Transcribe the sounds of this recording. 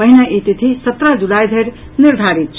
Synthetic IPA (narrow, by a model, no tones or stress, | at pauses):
əɦinaʔit̪it̪ʰisət̪ɾad͡zulajd̪ʱeɾ | niɾd̪ʱaɾit̪̚t͡ʃʰ